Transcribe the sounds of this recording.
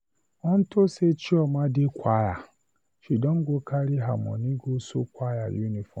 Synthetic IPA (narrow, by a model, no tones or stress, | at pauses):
ɔn̩toset͡ʃiɔmadɪkʷaja | ʃidɔŋ̩ɡokaɾiɦamɔ̰niɡoso̰kʷajajunifɔ̰